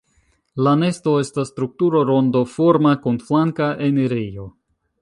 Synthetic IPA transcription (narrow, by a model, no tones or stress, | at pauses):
lane̞sto̞e̞stasːtɾuk̚tuɾo̞ɾondo̞fo̞ɾmakunflaŋkaʔeneɾijo̞